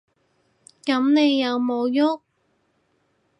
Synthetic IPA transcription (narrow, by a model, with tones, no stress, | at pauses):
kɐ˨˥mne˨˧jːɐ˨˧wmo˨˧wjʊ˥k̚